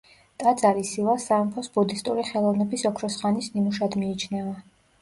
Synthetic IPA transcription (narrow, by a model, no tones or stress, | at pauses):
t̪ʼad̪zʼaɾisilˠasaɾmpʰɔsbɔd̪ist̪ʼuɾiχɛlˠɔvnɛbisɔkʰɾɔsχanisnimuʃad̪miːt͡ʃʰnɛva